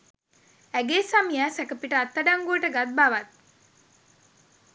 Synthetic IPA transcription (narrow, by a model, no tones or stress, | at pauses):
æɡeːsamijaːsækəpiʈəat̪ːaɖaŋɡuəʈəɡat̪̚baʋat̪̚